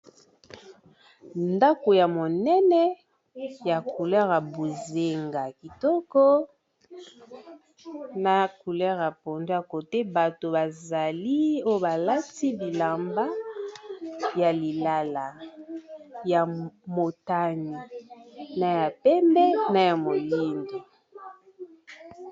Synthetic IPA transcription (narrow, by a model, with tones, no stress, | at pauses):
nda˦ko˨ja˨mo˨nɛ˦nɛ˦ | ja˨ku˨lɛ˦ʁa˨bo˨ze˨ŋɡa˨ki˨tɔ˦kɔ˦ | na˨ku˨lɛ˦ʁa˨po˨nda˦ko˨tɛ˦ba˨to˨ba˨za˨li˦o˦jo˦ba˨la˦ti˦bi˨la˨mba˦ | ja˨li˨la˦la˨ | ja˨mo˨ta˦ni˨na˨ja˨pɛ˦mbɛ˦na˨ja˨mo˨li˦ndi˨